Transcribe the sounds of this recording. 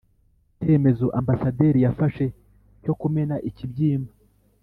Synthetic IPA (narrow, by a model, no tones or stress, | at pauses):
te̞me̞zoʔambasade̞ɾijafaʃe̞ | co̞kumenaʔicibɟiːmba